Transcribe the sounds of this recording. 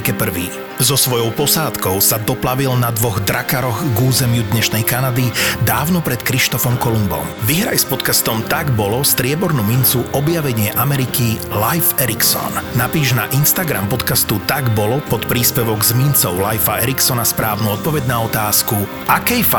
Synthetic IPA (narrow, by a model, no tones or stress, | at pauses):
kɛpr̩ʋḭː | zɔsʋɔjɔʊpɔsaːt̪kɔʊsad̪ɔplaʋilnad̪ʋɔɣd̪ɾakaɾɔɣɡuːzɛmɪud̪ɲɛʃnɛjkanad̪id̪aːʊnɔpɾɛt̪kɾiʃt̪ɔfɔmkɔlumbɔ̰mʋiɦɾa̰jspɔt̪kast̪ɔmt̪aɡbɔlɔst̪ɾɪɛbɔɾnumint͡suʔɔbjaʋɛɲɪɛʔamɛɾikilajfɛɾiksɔ̰nnapiːʒna̰ʔinst̪aɡɾa̰mpɔt̪kast̪ut̪aɡbɔlɔpɔt̪pɾiːspɛʋɔɡzmint͡sɔʊlajfaɛɾiksɔnaspɾaːʊnuɔt̪̚pɔʋɛɟnaɔt̪aːsku | akɛjfa